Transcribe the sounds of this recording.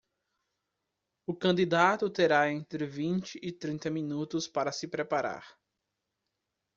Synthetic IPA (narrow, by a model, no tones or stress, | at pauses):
ʊkɐ̃nd̪id̪at̪ʊt̪eɾaẽnt̪ɾɪvĩnt͡ʃɪʔːt̪ɾĩnt̪ɐmĩnut̪ʊspaɾɐsɪpɾepaɾa̰ɾ